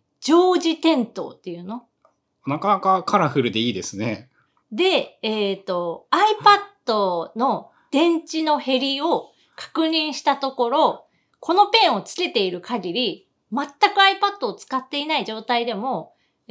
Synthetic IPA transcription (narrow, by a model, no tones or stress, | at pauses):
d͡ʑo̞ːʑit̪ẽ̞nt̪o̞̰ːt̪ːe̞jɯ̟ːno̞ | nakanakakaɾaɸɯ̟ɾɯ̟d̪e̞iːd̪e̞sɨne̞ | d̪e̞ːt̪ːo̞aipad̪o̞no̞ | d̪̥ẽ̞ɲ̟t͡ɕino̞he̞ɾʲio̞ | kʰḁkɯ̟ɲ̟ĩɰ̃ɕi̥t̪at̪o̞ko̞ɾo̞ | kʰo̞no̞pẽ̞ɰ̃o̞t͡sɨ̥ke̞t̪e̞iɾɯ̟kʰaɡʲiɾʲi | mat̪ːakɯ̟aipad̪̥ːo̞ːt͡sɨ̥kat̪ːe̞inaiʑo̞ːt̪aid̪e̞mo̞